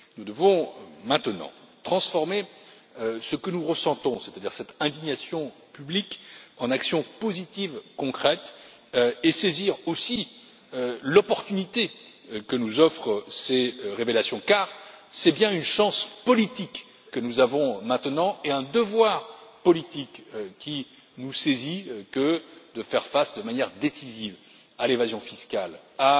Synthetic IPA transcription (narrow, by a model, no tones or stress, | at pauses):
nud̪əvɔ̃mɛ̃t̪ənɑ̰̃t̪χɑ̃sfɔʁme | səkənuʁəsɑ̃t̪ɔ̃set̪ad̪iʁsɛt̪ɛ̃d̪iɲasjɔ̃ | pyblikɑ̃naksjɔ̃pozit̪ivkɔ̃kχɛt̪ | eseziʁosi | lɔpɔʁt̪ynit̪ekənuzɔfχəseʁevelasjɔ̃kaʁsɛbjɛ̃ynʃɑ̃spɔlit̪ikː | ənuzavɔ̃mɛ̃t̪nɑ̃eɛ̃d̪əvwaʁpɔlit̪ikkʲi | nusezikəd̪əfɛʁfasd̪əmanjɛʁd̪esiziv | alevazjɔ̃fiskal | a